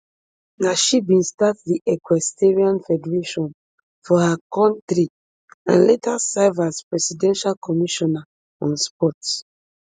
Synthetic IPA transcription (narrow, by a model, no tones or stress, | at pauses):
naʃibĩnstatdiʔɛkwɛstɛɹiãnfɛdɛɹeʃɔ̃n | fɔhakɔ̃ntɾi | ã̰nletasaɪvaspɹɛsidɛ̃nʃalkʰɔmiʃɔna | ɔ̃nspɔt